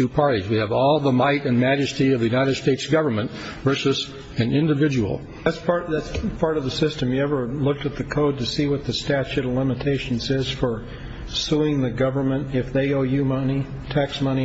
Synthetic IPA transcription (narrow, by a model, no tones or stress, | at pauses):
tʉpʰɑɹɾizwiɨvɔlˠðəmaɪɾɨ̃nmæd͡ʒɨstiʌvðɨjʉnaɪɾɨd̥steɪtsɡ̥ʌvə˞mɨ̃nt | vɜ˞sɨz | ɨ̃nɪ̃ndɨvɪd͡ʒɨwl̩ˠ | ðætspʰɑɹðætspʰɑɹɾʌvðɨsɪstɨ̃mjɨɛvə˞lʊk̚tɨt̪̚ðɨkʰoʊd̚tɨsiwʌt̪̚ðɨstæt͡ʃʉɾəlɪ̃mɨtʰeɪʃn̩zɪz̥fə˞ | suɪ̃ŋðɨɡʌvə˞mɨ̃ntɪfðeɪoʊjʉmʌni | tʰæksmʌñi